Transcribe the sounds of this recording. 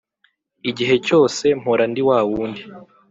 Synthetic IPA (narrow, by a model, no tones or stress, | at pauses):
iɟiɦe̞co̞ːse̞m̥hoɾandiwaːwuːndi